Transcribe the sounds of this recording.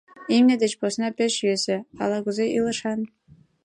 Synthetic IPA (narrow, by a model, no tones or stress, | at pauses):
imnʲĕd̪ʲĕt͡ɕposnɑpʲeʃyezʲĕɑ̰lˠɑɡuzeʔilˠɤ̆ʃɑn